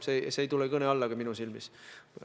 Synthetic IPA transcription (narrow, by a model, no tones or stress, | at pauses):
seseejt̪ulekɤneɑlːɑɡ̥ɑminusilmis